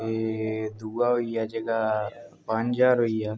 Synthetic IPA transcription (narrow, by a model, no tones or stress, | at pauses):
ed̪uɡaːɦoijaːd͡ʒəɡapaɲd͡ʒaːɾɦoːijaː